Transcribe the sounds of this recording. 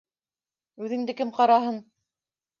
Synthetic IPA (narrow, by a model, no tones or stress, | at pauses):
ʉðɘ̆ŋd̪ɘkɘmqɑɾɑɦɤn